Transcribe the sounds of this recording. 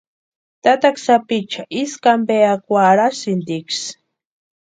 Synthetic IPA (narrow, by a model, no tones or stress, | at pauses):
t̪at̪aksapit͡ʃaʔiskambeakʷaɾasind̪iks